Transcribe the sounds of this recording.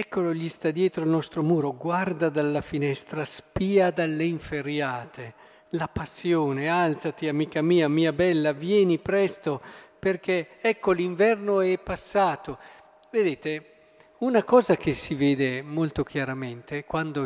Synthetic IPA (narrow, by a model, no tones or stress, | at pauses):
ɛkːoloʎist̪ad̪jɛːt̪ɾoilnɔst̪ɾomuːɾoɡward̪ad̪alːafinɛst̪ɾaspiːad̪alːeiɱfeɾjaːt̪e | lapasːjoːnealt̪sat̪iamiːkamiːamiːabɛlːavjɛːnipɾɛst̪operk̟ɛɛkːoliɱvɛrnoɛpːasːaːt̪o | ved̪eːt̪e | unakɔːzak̟esiveːd̪emolt̪ok̟jaɾamɛnt̪ekwand̪o